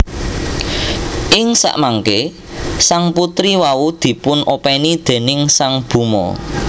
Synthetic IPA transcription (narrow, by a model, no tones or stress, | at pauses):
ʔɪŋsa̰ʔmaŋke | saŋput̪ɾiwaud̪̥i̤pʊnʔopɛnid̪̥e̤nɪŋsaŋb̥ṳmɔ̰